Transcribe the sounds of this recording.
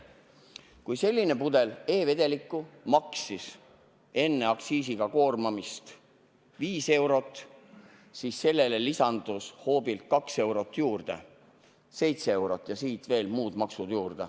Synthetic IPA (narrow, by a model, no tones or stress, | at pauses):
kujse̞lʲːine̞pud̪e̞le̞ːve̞d̪e̞likːˑumɑksis | e̞nːe̞ɑksiːsiɡ̥ɑko̞ːrmɑmist̪ | viːse̞wɾo̞t̪ˑː | siːsːe̞lːe̞le̞lisɑnd̪̥usho̞ːbilt̪̚kɑkse̞wɾo̞t̪ˑːjuːrd̪̥e̞̰ | se̞jt̪see̞wɾo̞t̪ːˑjɑsiːt̪ve̞ːlmuːd̪mɑksud̪̥juːrd̪̥e